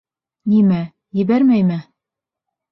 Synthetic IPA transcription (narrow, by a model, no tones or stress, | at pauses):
nimæ | jɘ̆bæɾmæjmɘ